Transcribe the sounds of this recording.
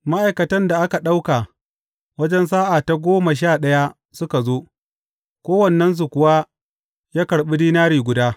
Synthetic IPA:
ma˦ʔa˨jkɐ˨tɐ˦nda˨ʔa˦ka˨ɗa˦wka˨ | wɐ˦d͡ʒɛ˦ns̬aː˦ʔa˨ta˨ɡʷoː˦ma˨ʃ̬aː˦˨ɗɐ˦ja˦ | sʊ˦ka˨zoː˦ | kʷoː˦wɐ˨nːɐ˦ns̬u˨kʷʊ˨wa˦ | jaː˦kɐ˨ɽɓi˦diː˦naː˦ɽiː˨ɡʷʊ˨daː˦

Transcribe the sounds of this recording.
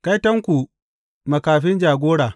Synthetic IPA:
ka˦jtɐ˦ŋkʷu˨ | mɐ˨kaː˨ɸɪ˦nd͡ʒaː˨ɡʷoː˦ɽaː˨

